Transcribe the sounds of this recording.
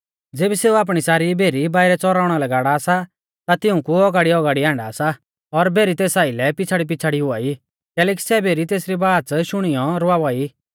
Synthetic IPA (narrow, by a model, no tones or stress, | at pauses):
d͡zeːbiseːuaːp̬ɽ̃isaːɾibʱeːɾibaːɪɾɛt͡sɔɾaːʊɽ̃ɔlɐɛɡaːɽaːsa | t̪at̪ɪʊ̃kuɔɡaːɽiɔɡaːɽiãːɳɖaːsa | ɔɾbʱeːɾit̪eːsaːɪlɛpɪt͡sʰaɽip̬ɪt͡sʰaɽiɦʊaːi | kɛːlɛːk̬i̥sɛbʱeːɾit̪eːsɾibaːʃʊɽ̃ijɔɾʊaʋai